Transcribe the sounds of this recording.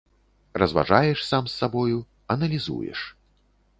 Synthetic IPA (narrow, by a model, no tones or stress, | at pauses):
rɐzva̰ʐajɛʂsamsːabɔju | ɐnɐlʲizṵjɛ̰ʂ